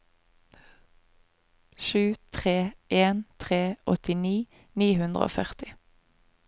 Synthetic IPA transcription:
ʃʉːt̪ʰʁeːʔeːnt̪ʰʁeːʔɔt̪ɪniː | niːhʉnd̪ʁəo̰ːfœʁt̪ɪ

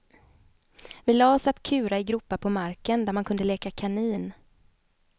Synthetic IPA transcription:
vɪlɑːsat̪ːkʰʉ̟ːɾaɪɡɾʊpːapʰɔmaɾkənd̪æɾmankʰɵnd̪əleːkakʰaniːn

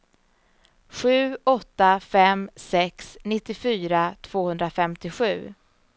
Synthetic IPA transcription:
ɧʉ̟ːɔt̪ːafɛmsɛksnɪt̪ːɪfyːɾat̪ʰv̥oːhɵnd̪ɾafɛmt̪ɪɧʉ̟ː

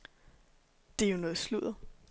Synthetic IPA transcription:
d̥e̝æjonɔ̽ːð̩ˠsluð̰ˠɐ

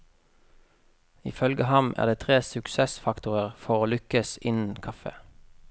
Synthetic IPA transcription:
ḭːfœlɡəhɑmʔæ̰ːʁd̪eːt̪ʰʁeːsʉksɛsfɑkt̪ʊʁəʁfɔʁoːlʏkəsɪnn̩kʰɑfə̰

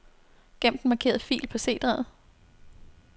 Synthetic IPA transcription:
ɡ̥em̰d̥n̩mɑ̈kʰe̝̰ːɐðˠfḭːlpʰɒ̽se̝̰ːd̥ʁað̩ˠ

